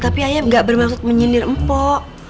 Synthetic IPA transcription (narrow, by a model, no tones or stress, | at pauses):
t̪apiajaŋɡaʔbərmaksʊt̪̚məɲinɪrm̩pɔʔ